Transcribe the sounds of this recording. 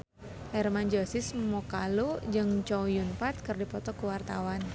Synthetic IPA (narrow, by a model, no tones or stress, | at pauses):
ɛrmand͡ʒɔsɪsmɔkalud͡ʒɨŋt͡ʃɔwjunpat̪̚kɨrdipɔt̪ɔkəwart̪awan